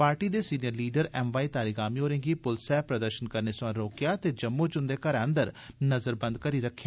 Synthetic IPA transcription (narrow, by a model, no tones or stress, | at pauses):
paːɾʈiːd̪eːsiːnijəɾliːɖəɾɛːmʋaːiːt̪aːɾiːɡaːmiːɦoːɾẽːɡiːpʊlsɛːpɾəd̪əɾʃənkəɾneːsʊãːɾoːkjaːt̪eːd͡ʒəmːũːt͡ʃʊnd̪eːkəɾə̃nd̪əɾnəzəɾbə̃nd̪̚kəɾiːɾəkʰːjaː